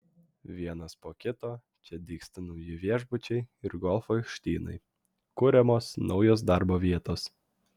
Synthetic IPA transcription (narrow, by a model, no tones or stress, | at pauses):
ʋʲiɛnɐspoːkʲɪt̪oː | t͡ʃʲɛd̪ʲiːksʲt̪ɐnɔʊjɪʋʲiɛʒbʊt͡ʃʲɛɪɪɾɡɔlˠfoɪʃt̪ʲiːnɐ̰ɪ | kʊɾʲɛmoːsnɒʊjoːs̬d̪ɑɾboːʋʲiɛt̪oːs